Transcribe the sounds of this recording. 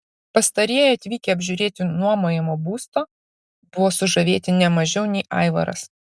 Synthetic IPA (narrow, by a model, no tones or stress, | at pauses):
pɐst̪ɐɾʲeːjɐt̪ʲʋʲiːkʲɛɐbʲʒʲʊɾʲeːt̪ʲɪnuɔmoːjɛmoːbuːst̪oː | bʊʋoːsʊʒɐʋʲeːt̪ʲɪnʲɛmɐʒʲɛʊnʲɛɪʔɐ̰ɪʋɐ̰ɾɐ̰s